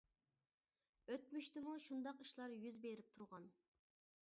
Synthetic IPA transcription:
øt̪̚myʃt̪ɪmuʃund̪ɑqiʃlˠɑɾjyzbeɾɪp̚t̪ʰuɾʁɑn

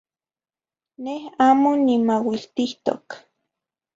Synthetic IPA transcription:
nehaːmonimawilt̪iht̪o̰k

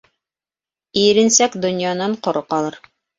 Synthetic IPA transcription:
ijɘ̆ɾɘ̆nsækd̪ŏnjɑnɑɴqŏɾoqɑlˠɤɾ

